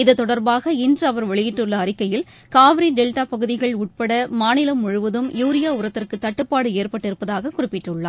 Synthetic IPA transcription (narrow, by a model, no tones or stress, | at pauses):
ɪðɐt̪ːɔɽɐɾbaːɣɐɪndrɯɐʋɐɾʋɐɭɪjɪʈːɯɭːɐːrɪkːɐjɪl | kaːʋɪɾiɖɛlʈaːpɐɣɯðɪɣɐɭʊʈ̚pɐɽɐmaːnɪlɐmʊɻʊʋɐðɯmjuːɾɪjaːʊɾɐt̪ːɪrkɯt̪ːɐʈːɯpːaːɽɯeːrpɐʈːɪɾɯpːɐðaːɣɐkʊrɪpːɪʈːɯɭːa̰ː